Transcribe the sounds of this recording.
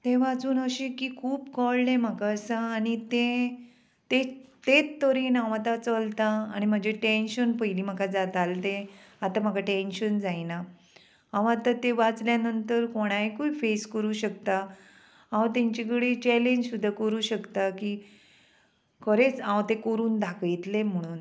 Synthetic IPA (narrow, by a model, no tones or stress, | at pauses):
t̪eʋat͡suːnəɕiːkiːkʰuːpkɔlɖẽm̤əkaəsəːñit̪ẽ | t̪et̪et̪ːəɾinaʋat̪at͡səlt̪a̰ːñim̤əd͡ʑeʈenɕənpəjliːm̤əkad͡zat̪alt̪ẽat̪am̤əkaʈenɕənd͡zajna | ãʋat̪at̪eʋat͡sljanənt̪əɾkoɽ̃ajkuifeskəɾuːɕəkt̪a | ãwt̪ãɲt͡ɕik̬əɽit͡ɕɛleɲd͡ʑsud̪ʱːakəɾuːɕəkt̪aki | kʰəɾet͡sãwt̪ekəɾuːnd̪ʱakjt̪lem̤əɽ̃uːn